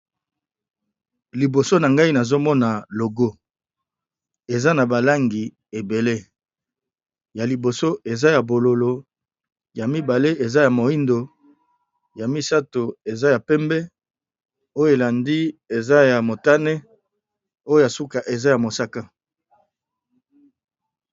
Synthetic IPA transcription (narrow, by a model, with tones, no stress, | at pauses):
li˨bo˨so˦na˨ŋɡa˦i˦na˨zo˦mɔ˦na˨lo˨ɡo˦ | e˨za˦na˨ba˨la˦ŋɡi˨ | e˨be˨le˦ | ja˨li˨bo˨so˦e˨za˦ja˨bo˨lo˨lo˨ | ja˨mi˦ba˨le˦ʔe˨za˦ja˨mo˨i˦ndo˨ | ja˨mi˦sa˦to˨e˨za˦ja˨pɛ˦mbɛ˦ | o˦jo˦e˨la˨ndi˦e˨za˦ja˨mo˨ta˦ne˦ | o˦jo˦ja˨su˦ka˨ʔe˨za˦ja˨mo˨sa˦ka˦